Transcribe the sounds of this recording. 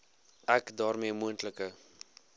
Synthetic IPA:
ʔækdɑːrmiəmuəntləkə

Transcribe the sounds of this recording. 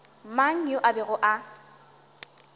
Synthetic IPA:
maŋ̩ʊʔabɪɣʊʔa

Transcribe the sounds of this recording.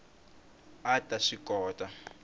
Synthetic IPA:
atʼaʂikʼɔːtʼa

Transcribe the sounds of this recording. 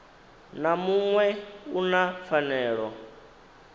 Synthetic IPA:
namuŋwɛunafanɛːɺɔ

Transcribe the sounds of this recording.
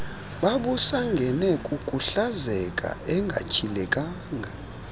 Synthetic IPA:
ɓaɓusaŋɡʱɛnɛkʼukʼuɬazɛkʼa̰ʔɛŋɡʱa̰cʰilɛkʼaːŋʱa

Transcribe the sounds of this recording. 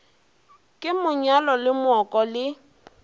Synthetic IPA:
kʼɪmʊɲalɔlɪmɔkʼɔlɪ

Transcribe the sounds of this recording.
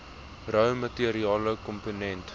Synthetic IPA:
rœwmətiəɾiɑːləkɔmponɛnt

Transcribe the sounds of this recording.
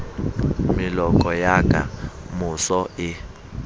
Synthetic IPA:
milɔkʼɔjakʼa̰musɔɪ

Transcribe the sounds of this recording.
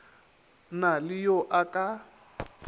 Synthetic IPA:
nalɪjɔʔakʼa

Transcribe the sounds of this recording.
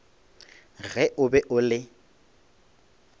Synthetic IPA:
ɣɛʔʊbɛʔʊlɪ

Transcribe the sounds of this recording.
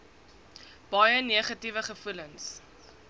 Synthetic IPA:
b̥ɑjəniəχɐtivəχəfuləŋs

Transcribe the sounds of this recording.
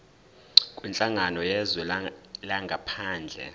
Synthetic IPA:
kʼwint͡ɬʼaŋanɔjɛzɛlaŋɡʱapʰaːnd͡ɮʱɛ̰

